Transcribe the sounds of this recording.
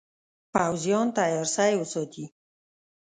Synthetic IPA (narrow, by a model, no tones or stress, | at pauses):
pawzjɔnt̪ajɔɾsajwəsɔt̪i